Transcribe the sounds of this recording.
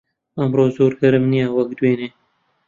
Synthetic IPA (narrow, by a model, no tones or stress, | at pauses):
ɐmroːzoːɾɡɐɾɨmnijawɐk̚d̪weːneː